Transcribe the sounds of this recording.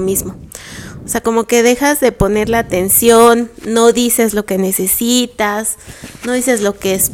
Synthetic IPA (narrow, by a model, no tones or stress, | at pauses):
mizmooseako̞mo̞ke̞ðe̞xazðe̞po̞ne̞ɾleat̪ensjonːo̞ðise̞zlo̞ke̞ne̞sesit̪asno̞ðis̬ezlo̞kees